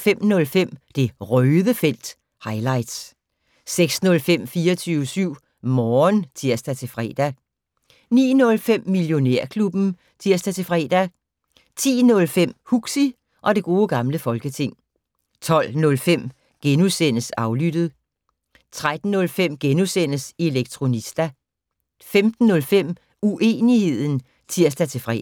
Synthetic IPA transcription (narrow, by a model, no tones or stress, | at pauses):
fem̰nɔ̽lfem̰d̥e̝ʁœːðˠəfel̰d̥ | hɑ̈ɪlɑ̈ɪd̥s | seɡ̥snɔ̽lfem̰fiːɐt͡sʰyːʊəsyʊ̰ | mɒːnt͡sʰiɐ̰sd̥æt͡sʰe̝fʁɛ̰ːd̥æ | nḭːnɔ̽lfem̰miljo̝neɐ̰kʰlub̥n̩ | t͡sʰiɐ̰sd̥æt͡sʰe̝fʁɛ̰ːd̥æ | t͡sʰḭːnɔ̽lfem̰huɡ̥si | ʔɒ̽de̝ɡ̥o̝ːɡ̥ɑ̈mləfɒ̽lɡ̥ət͡sʰe̝ŋ̰ | t͡sʰɒ̽l̰nɔ̽lfem̰ | ɡ̥enusen̰əsɑ̈ʊlyd̥ð̞̩ˠ | t͡sʰʁad̥n̩ːɔ̽lfem̰ɡ̥enusen̰əse̝leɡ̥̚t͡sʰʁo̝nisd̥æ | femd̥n̩ːɔ̽lfem̰ | uʔe̝̰ːnihe̝ð̰ˠn̩ | t͡sʰiɐ̰sd̥æt͡sʰe̝fʁɛ̰